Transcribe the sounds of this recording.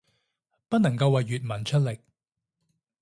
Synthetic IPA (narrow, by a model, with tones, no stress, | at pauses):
pɐ˥t̚nɐ˨˩ŋkɐ˧wːɐ˨jyː˨t̚mɐ˨˩nt͡ʃʰɵ˥t̚lɪ˨˩k̚